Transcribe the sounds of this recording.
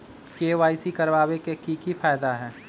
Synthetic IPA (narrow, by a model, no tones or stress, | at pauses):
keːʋaːisikɐɾʋaːwekekikifaːjd̪aɦɛː